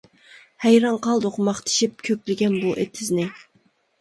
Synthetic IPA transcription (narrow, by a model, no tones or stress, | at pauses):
hæjɾɑɴqɑlˠd̪oqmɑχt̪ʰi̥ʃip̚kʲʰøkʲlɪɡʲɛnbuʔet̪ʰɪznɪ